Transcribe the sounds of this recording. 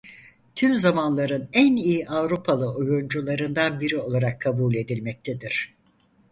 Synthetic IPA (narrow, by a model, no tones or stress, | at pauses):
t̪ʰymzamanlˠaɾɯnænijiʔavɾupʰalˠɯʔojund͡ʒulˠaɾɯnd̪anbiɾio̞lˠaɾakʰːabuːlʲe̞d̪ilʲmɛc̚t̪ʰed̪iɾ̝̥